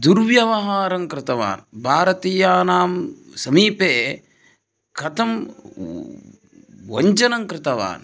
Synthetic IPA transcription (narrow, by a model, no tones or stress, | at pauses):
d̪uɾʋjɐʋɐɦaːɾɐŋkɾɪt̪ɐʋa̰ːnbʱaːɾɐt̪iːjaːnaːmsɐmiːpeː | kʰɐt̪ɐm | ʋɐ̰ɲd͡ʒɐnɐŋkɾɪt̪ɐʋa̰ːn